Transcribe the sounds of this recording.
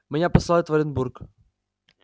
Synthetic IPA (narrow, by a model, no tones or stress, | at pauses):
mʲɪnʲapɐsˠaɪt̪vɐɾʲɪnbuɾk